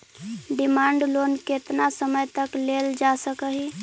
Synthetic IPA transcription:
ɖimaɳɖlonket̪nasəməjt̪əkleld͡ʒasəkəɦi

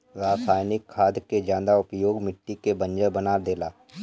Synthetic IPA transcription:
ɾaːsʰaːjnɪkʰːaːd̪ked͡ʒaːd̪aʊpjoːɡmɪʈːikebə̃nd͡ʒəɾbənad̪eːlaː

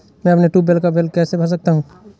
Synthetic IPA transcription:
mɛ̃ɐpneʈubelkabelkɛːsebʱas̬ək̚t̪aɦũː

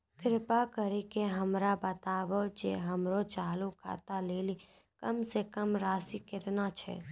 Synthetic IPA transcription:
kɾɪpakəɾikeɦəmɾabət̪aːʋod͡ʒḛɦəmɾot͡ʃaːlukʰa̰ːt̪aleːli | kəmsekəmɾaːsikɪt̪nat͡ʃʰɛ̰

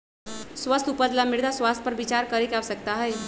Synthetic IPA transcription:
swəst̪upəd̪lamɪɾd̪aswast̪̚pəɾbit͡ʃaɾkəɾekawsəkt̪aɦəe

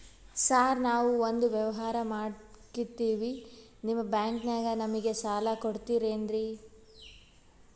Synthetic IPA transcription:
saːɾnaːʋuond̪uʋjɛʋɐɦaːɾɐmaːɽkit̪ːiːʋi | nimːɐbjaːŋknaːɡɐnɐmiɡe̞saːlɐkoɽt̪iːɾeːnd̪ɾi

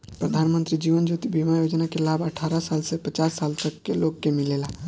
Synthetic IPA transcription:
pɾəd̪ʱanmənt̪ɾid͡ʒiʋənd͡ʒut̪ibimajoːd͡ʒnakelabəʈʰaɾəsalsepət͡ʃasːalt̪əkːelokːemɪlela

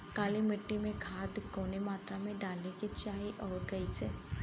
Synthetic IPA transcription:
kaːlimɪʈːimẽkʰaːd̪koːnemaːt̪ɾamẽɖaːlnekit͡ʃaːiʔɔːɾkɐiseː

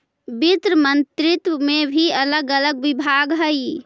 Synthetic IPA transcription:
bɪt̪ɾəmə̃nt̪ɾɪt̪wəmẽbʱiɐləɡələɡʋɪbʱaːɡɦəi

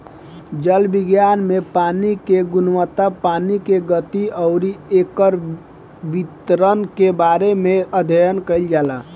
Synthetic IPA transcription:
d͡ʒəlbiɡjanmepaːnikeɡʊnwət̪apaːnikeɡət̪iəʊɾiekəɾ | bit̪ɾənkebaɾemeʔəd̪ʱəjənkəɪld͡ʒaːla

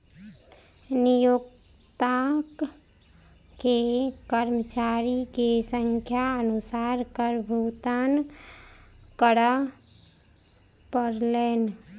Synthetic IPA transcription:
nijok | t̪ak | kekəɾmət͡ʃaɾikesəŋkʰjaənusaɾkəɾbʱut̪ən | kəɾə | pəɾlen

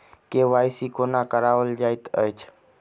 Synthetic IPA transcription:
keʋajsikonakəɾaʋəld͡ʒajt̪əjt͡ʃʰ

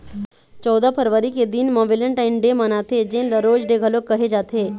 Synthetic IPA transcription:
t͡ʃɔːd̪apʰəɾʋəɾiked̪inmɔʋiləɳʈaɪnɖemənat̪ed͡ʒẽnləɾoːd͡ʒɖeɡʱəlokːəɦed͡ʒaːt̪ʰe

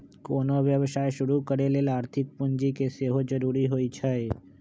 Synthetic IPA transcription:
konoʋjəbʃaeʃuɾukəɾelelaɾt̪ʰik̚puɲd͡ʒikeseɦod͡ʒəɾuɾiɦojt͡ʃʰae

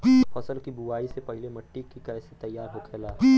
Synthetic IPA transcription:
fɐsəlkibuʋaːisepɐɦɪlemɐʈːiːkːikɐɾəset̪ɐjːaːɾɦokʰɛːlaː

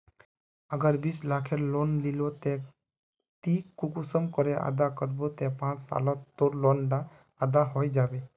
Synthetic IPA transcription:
əɡəɾbislakʰeɾlonlilot̪ɛ̃ | t̪ikːukusɔmkɔɾeʔa̰d̪akɔɾbot̪ɛ̃pãt͡ʃsa̰lɔt̪ːoɾlonɖa | ad̪aɦojd͡ʒabe

